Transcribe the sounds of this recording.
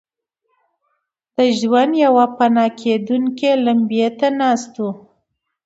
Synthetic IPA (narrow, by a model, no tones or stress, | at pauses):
d̪̥əʒwand̪jawapanɑkʰed̪uŋkelambijet̪anɑst̪u